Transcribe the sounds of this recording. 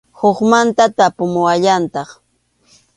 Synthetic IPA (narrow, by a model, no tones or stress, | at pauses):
hoχmant̪at̪apʊmʊwaʎant̪ɑχ